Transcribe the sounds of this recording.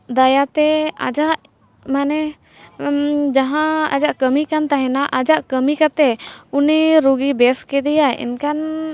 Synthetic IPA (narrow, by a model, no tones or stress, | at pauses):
d̪ajat̪ɛa̰d͡ʒaʔ | manɛ | d͡ʒaɦãa̰d͡ʒaʔkəmikant̪aɦɛnaʔad͡ʒaʔkəmikat̪ɛuniɾuɡibɛskɛd̪ɛjaḭnkan